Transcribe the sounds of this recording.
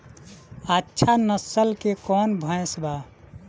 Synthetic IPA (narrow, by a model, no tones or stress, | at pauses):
ətːʃʰanəsəlkekɔːnbʱə̃ẽsba